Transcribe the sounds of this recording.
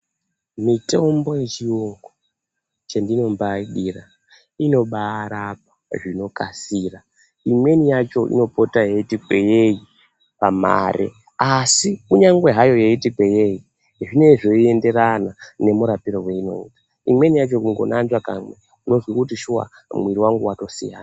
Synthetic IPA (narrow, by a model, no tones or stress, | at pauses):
mitombo̞jet͡ʃioŋɡo | t͡ʃendino̞mbaɗira | ino̞ɓaːɾap̚ḁʐino̞kasiːra | imwe̞nijat͡ʃo̞ʔḭno̞po̞tajeitikweje̞ji | pama̰ɾʔḛ | asikuɲaŋɡwe̞ɦajo̞jeitikweje̞ji | ʐine̞ʐo̞ie̞nde̞ɾanane̞muɾapiɾowe̞ino̞̰ḭːtḁ | imwe̞nijat͡ʃo̞kuŋɡo̞̰nand͡ʒwaka̰mwe | uno̞zwikutiʃuwa̰ | mwiɾiwaŋɡuwato̞sḭja̰ːna